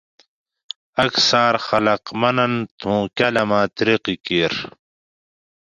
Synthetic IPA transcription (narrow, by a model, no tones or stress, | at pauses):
ɐksaːɾxɐlɐqmɐnɐnt̪ʰũːkɐlɐmãːt̪ɾiqikiːɾ